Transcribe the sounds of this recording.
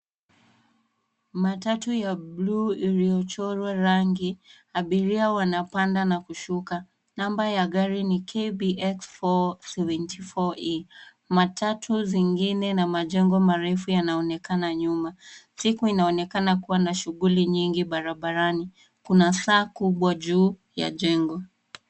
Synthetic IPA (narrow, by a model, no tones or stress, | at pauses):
matatujaɓluilijɔt͡ʃɔɾwaɾaŋɡi | aɓiɾiawanapandanakuʃuka | nambajaɠaɾinikʰebiʔɛksfɔsɛvɛntʰifɔi | matʰatʰuziŋɡinɛnamaʄɛŋɡɔmaɾɛfujanaɔnɛkanaɲumasikuinaɔnɛkanakuwanaʃuɣuliɲiŋɡiɓaɾaɓaɾani | kunasaːkuɓwaʄuːja̰ʄɛŋɡɔ